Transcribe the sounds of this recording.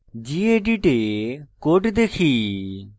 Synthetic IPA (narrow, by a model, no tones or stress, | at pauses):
d͡ʒieɖiʈekoːʈd̪eːkʰiː